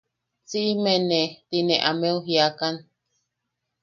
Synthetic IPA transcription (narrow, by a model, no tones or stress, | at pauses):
t͡siʔimenet̪inẽʔamẽuɦiakan